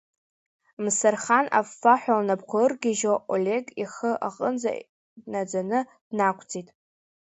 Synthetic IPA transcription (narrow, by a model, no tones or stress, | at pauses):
msarχana̰faħʷᶣalnapqʷʰaɨrɡʲɪʒoʔolʲe̞ɡiχəʔaqʼənd͡za̰ | dnad͡zanɨd̥nakʷʰt͡sʼitʼ